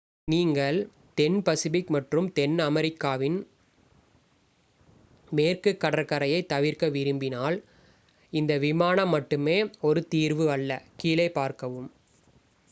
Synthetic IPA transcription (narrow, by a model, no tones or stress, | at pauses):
niːŋɡɐɭ | t̪ɛnpɐsɪʋɪkmɐʈrɯmt̪ɛnɐmɐɾɪkːaːʋɪn | meːrkɯkːɐɽɐɾkɐɾɐjɐɪt̪ːɐʋɪɾkɐʋɪɾɯmbɪnaːl | ɪnd̪ɐʋɪmaːnɐmːɐʈːɯmeːɔɾɯt̪iːɾʋɯɐɭːɐkiːlɐɪpaːɾkɐʋɯm